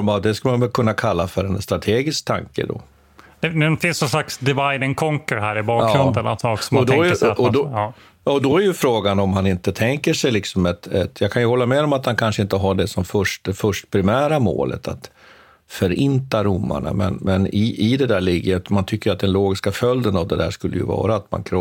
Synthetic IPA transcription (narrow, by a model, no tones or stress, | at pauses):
mavd̪ɛskalmanvɛlkʰɵnːakʰalːafœɾɛnst̪ɾat̪ʰeːɡɪsk̚t̪ʰa̰ŋkə̰d̪ɔ̰ | d̪ɛnɛnfɪnsɔnslaksd̪ɛvajnɪŋkʰɔŋkəɾɦæːɾɪbɑːkɾɵnənat̪sɔsɔmaɔd̪ɔɔd̪ɔ | ɔd̪ɔæɾjɵfɾoːɡanɔmɦanɪnt̪ət̪ʰɛŋkəʂɛjlɪksɔmɛt̪ɛt̪jɑkʰanjɵhɔlːamɛd̪ɔmat̪hankʰanʂəɪnt̪əɦaɖɛsɔmfœʂʈfœʂʈpʰɾɪmæːɾamo̰ːlʔə̰t̪ʰat̪ | fœɾɪnt̪aɾʊmːa̰ɳa̰mɛ̰nmɛnɪʔɪd̪ɛd̪æːɭɪɡːəət̪mant̪ʰʏkːɾjʏat̪̚d̪ɛnloːɡɪskafœld̪ənavd̪ɛd̪æ̰ːʂkɵlːə̰jɵ̰vɑ̰ːɾaːt̪ma̰nkʰɾɔ